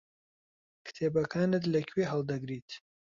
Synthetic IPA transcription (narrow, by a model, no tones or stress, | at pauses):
kʰɨ̥t̪ʰeːbɐkʰaːnɨt̪lɐkʰweɦɐlˠd̪ɐɡɾiːt̪ʰ